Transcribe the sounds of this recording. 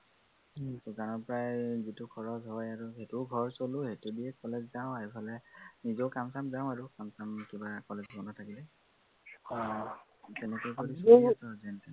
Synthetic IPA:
suzanɔɹpɔɹajzitukʰɔɹɔzɦɔjaɹuɦetuɡʱɔɹsoluhetudiɛkɔlɛzzaʊ̃aɹipʰalɛnizɔkamsamzaʊ̃aɹukamsamkibakɔlezbɔnɔtʰakilɛ | tɛnɛkojkoɹisasɔzɛntɛ

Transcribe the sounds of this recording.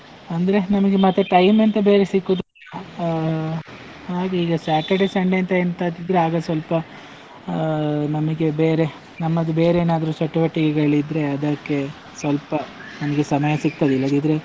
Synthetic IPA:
ɐnd̪ɐɾe̞nɐmɐɡe̞mɐt̪ːeʈɐjmɐnt̪ɐbeːɾe̞sikːud̪lɐ | haːɡeiːɡɐsaːʈɐɖɐsɐɳɖent̪ɐeːnt̪aːd̪id̪ɾeaːɡɐsʋɐlpɐ | nɐmɐɡebeːɾe̞ | nɐmːɐd̪ube̞ːɾeeːnaːd̪ɐɾusɐʈːɐʋɐʈːiɡɛɡɐɭid̪ɾe̞ɐd̪ɐkːe̞ | sʋɐlpɐ | nɐmɐɡe̞sɐmɐjɐsikt̪ɐd̪ilːɐd̪id̪ɾe̞

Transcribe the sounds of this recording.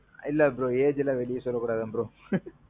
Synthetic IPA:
ɪlːɐɐpːɾõeːd͡ʒɪlãːʋɛɭɪjɐsɔlːɐkːuːɽaːðɯɐpːɾõ

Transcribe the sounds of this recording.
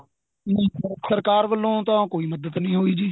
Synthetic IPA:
nə̃səɾkaːɾʋəlːõːt̪ãːkoːiːməd̪əd̪nəĩːɦoːiːd͡ʒiː

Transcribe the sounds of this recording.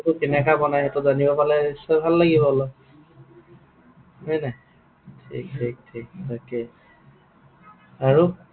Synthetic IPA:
tʊkɛnɛkabɔnajɛtʊzanibɔpalɛisɔbʱalːaɡibɔɦlɔ | ɦɔnɛ | tʰḭk̚tʰik̚tʰik̚takɛ | aɹu

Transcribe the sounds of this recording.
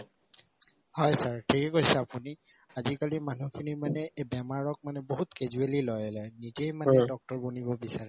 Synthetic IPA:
hɔjsaɹtʰikɛkojsɛapuni | azikalimanukʰinimanɛbɛmaɹɔk̚manɛboɦutkezuelilɔjɛlɔjnizejmanɛdɔk̚tɔɹbunibɔbisaɹɛ

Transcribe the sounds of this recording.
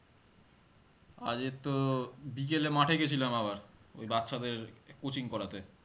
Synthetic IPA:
a̰d͡ʑet̪ːobik̬elemaʈʰeɡet͡ɕʰilamaβaɾo̰jbat̪ːʃʰad̪eɾkot͡ɕʰiŋkɔɾat̪e

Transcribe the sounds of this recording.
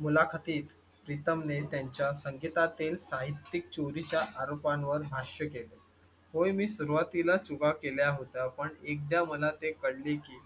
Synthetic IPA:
mulakʰət̪iːt̪ | pɾit̪əmnet̪jaɲt͡ɕjasəŋɡit̪at̪ilsaɦit̪ːik̚t͡ɕoɾit͡ɕjaʔaɾopãnʋəɾbʱaɕjəkele | hojmiːsuɾuʋat̪ilat͡suɡakeljaɦot̪apəɳek̚d̪jaməlat̪ekəɽlekiː

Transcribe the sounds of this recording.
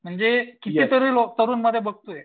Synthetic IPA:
m̤əɳnd͡zekit̪it̪əɾilɔk̚t̪əɾuːnməd̪ʱjabəɡ̚t̪ue

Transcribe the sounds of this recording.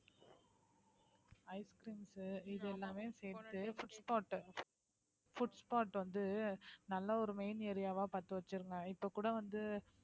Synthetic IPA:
ɐɪskɾiːnsɪðɛlːaːmeːseːɾt̪ːɯfʊʈspaːʈː | fʊʈspaːʈʋɐnd̪ɯnɐlːɐɔɾɯmeɪneːɾɪjaːʋaːpaːɾt̪ɯʋɐt͡ʃːɯɾɯŋɡɐɪpːokːuːɽɐʋɐnd̪ɯ

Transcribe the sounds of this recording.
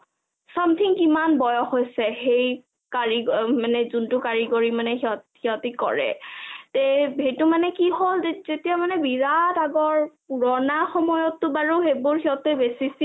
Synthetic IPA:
samt̪ʰiŋkimanbɔjɔxojsɛxej | kaɹiɡmanɛzuntʊkaɹiɡoɹimanɛɦiɔhiɔtikɔ̰ɹɛ̰tebɦejtʊmanɛkiɦolezetijamanɛbiɹataɡɔɹpuɹɔnaxɔmɔjɔtːʊbaɹuxejbʊɹxiɔtɛbesis

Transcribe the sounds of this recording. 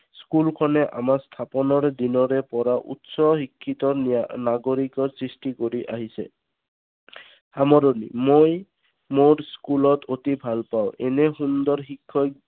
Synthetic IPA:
skulkʰɔnɛʔa̰mast̪ʰapɔnɔɹd̪inɔɾɛpɔɹaʔṵtsɔɦikʰːit̪ɔɹnaɡoɹikɔsɹisʈikoɹiʔa̰ɦisɛ̰ | amɔɾonḭmoj | moɹskulɔt̪ʰot̪ibʱalpawʔɛ̰nɛxund̪ɔɹxikʰːɔ

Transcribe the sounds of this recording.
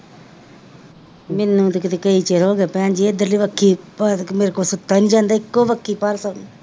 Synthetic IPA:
mɪnːũːt̪kɪt̪ekəiːt͡ʃeːɾɦoːɡaːpɛ̃ːnd͡ʒiːed̪əɾliːʋəkʰːiːpːmeːɾkoːsʊt̪ːaːnid͡ʒãːnd̪aːɪkːoːʋəkʰːiːpaːɾsaːnː

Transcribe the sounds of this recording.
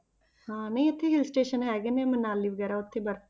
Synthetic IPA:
hãːnəĩət̪ʰːeːɦɪlsʈeːʃənɦɛːɡeːmɛ̃ːmənaːlːiːʋəɡɛːɾaːʊt̪ʰːeːbəɾ

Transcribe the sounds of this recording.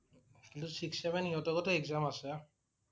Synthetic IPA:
itusiksɛbɛniɔtɔkɔtɛɛkzamasɛ

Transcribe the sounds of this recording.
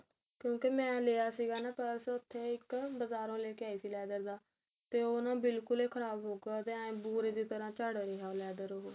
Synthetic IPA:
kjõːkemɛ̃ːleːaːsiːɡaːnaːpɛːɾsʊt̪ʰːeːɪkbəzaːɾõːleːkɪjaːiːsiːlɛːd̪əɾd̪aː | t̪eːoːnãːbɪlkʊleːkʰəɾaːbɦoːɡaːt̪eːaẽːbuːɾeːd̪iːt̪əɾãːt͡ʃaːɽɾeɦaːolɛːd̪əɾoɦoː

